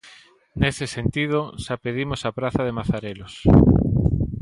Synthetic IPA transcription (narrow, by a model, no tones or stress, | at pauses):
nesɪsent̪ið̞oʃapeðimosapɾaθaðemaθaɾelos